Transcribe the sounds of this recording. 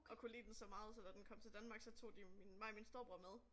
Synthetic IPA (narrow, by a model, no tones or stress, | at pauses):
ɒ̽kʰulḭːd̥ensɒ̽mɑ̈ːð̞̩ˠsɒ̽d̥æd̥enkʰɒ̽m̰t͡sʰe̝ld̥ænmɑ̈ːɡ̥sɒ̽t͡sʰo̝̰ːd̥iminmɑ̈ɪminsd̥o̝ɐb̥ʁoɐmeð̞ˠ